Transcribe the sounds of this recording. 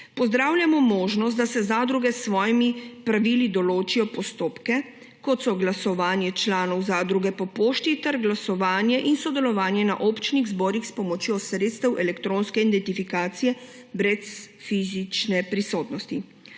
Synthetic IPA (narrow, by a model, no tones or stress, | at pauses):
pɔzd̪ɾaːwlʲjamɔmoːʒnɔst̪d̪asɛzad̪ɾuɡɛsʋɔːjimipɾaʋilid̪ɔloːt͡ʃijɔpɔst̪oːpkɛ | kɔt̪sɔɡlasɔʋaːnjɛt͡ʃlaːnɔwzad̪ɾuɡɛpɔpoːʃt̪it̪ɛɾɡlasɔʋaːnjɛʔinsɔd̪ɛlɔʋaːnjɛna̰ʔopt͡ʃniɣzbɔːɾixspɔmɔt͡ʃjosɾeːt̪st̪ɛwʔɛlɛkt̪ɾõnskɛid̪ɛnt̪ifikaːt̪sijɛ | bɾɛs | fizit͡ʃnɛpɾisoːt̪nɔst̪i